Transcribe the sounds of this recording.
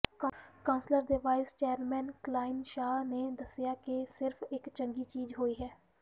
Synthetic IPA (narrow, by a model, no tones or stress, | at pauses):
kkãːʊ̃nsləɾd̪eʋaːɪst͡ʃeːəɾmɛ̃ːnklaːɪnʃaːneːd̪əsjaːkesɪɾfʰɪkt͡ʃəŋɡiːt͡ʃiːzɦoːiːɦɛː